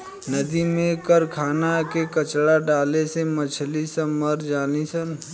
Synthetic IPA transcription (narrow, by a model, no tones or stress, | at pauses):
nəd̪imẽkəɾkʰaːnakekət͡ʃɽaɖaːlesemət͡ʃʰlisɐməɾd͡ʒaːlisən